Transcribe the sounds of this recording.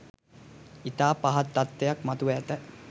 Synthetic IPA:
it̪aːpaɦat̪ːat̪ːejakmat̪uʋːt̪ə

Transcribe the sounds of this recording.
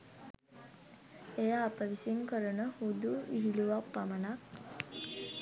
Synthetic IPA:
ejaːpəʋisiŋkəɾənəhud̪uʋiɦiluʋapːamənak

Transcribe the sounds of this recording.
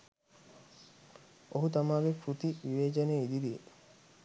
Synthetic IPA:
oɦut̪amaːɡepɾut̪iʋiʋeːd͡ʒɐneːid̪id̪ie

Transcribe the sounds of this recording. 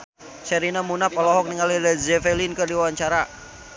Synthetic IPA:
sɛɾinamunapɔlɔɦɔk̚niŋalilazɛfɛlinkɨrdiwawaɲt͡ʃaɾa

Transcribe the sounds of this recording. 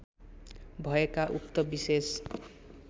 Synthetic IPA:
bʱʌekaʔukt̪ʌbises

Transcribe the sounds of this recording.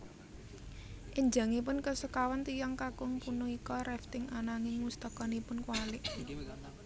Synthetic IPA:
ʔɪɲd͡ʒa̤ŋipʊnkəsəkawant̪ijaŋkakʊŋpunuikɔɾɛft̪ɪŋanaŋɪŋwust̪əkɔnipʊnkwalɪʔ

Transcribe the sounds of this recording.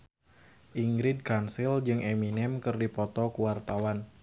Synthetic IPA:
ʔiŋɡɾid̚kansild͡ʒɨŋʔeminɛmkɨrdipɔt̪ɔkuwart̪awan

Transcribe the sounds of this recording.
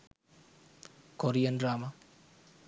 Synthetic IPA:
koɾijʌnraːma

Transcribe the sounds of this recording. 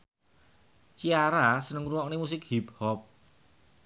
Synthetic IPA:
t͡ʃiaɾasənəŋɾuwɔknemus̬ɪkhiphɔp̚

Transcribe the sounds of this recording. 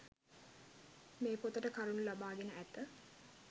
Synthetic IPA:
meːpot̪əʈəkaɾunulabaːɡenəʔæt̪ə

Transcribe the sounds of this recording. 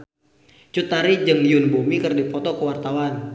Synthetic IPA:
t͡ʃut̪aɾid͡ʒəŋliʊnbumikərdipɔt̪ɔkəwart̪awan

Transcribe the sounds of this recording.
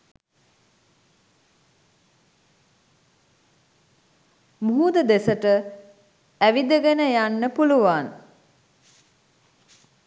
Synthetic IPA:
muɦud̪əd̪esəʈə | æʋid̪əɡenəjanːəpuluʋan

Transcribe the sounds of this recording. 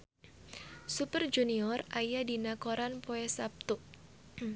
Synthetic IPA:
supərd͡ʒuniɔrajadinakɔɾanpoɛsap̚t̪uʔ

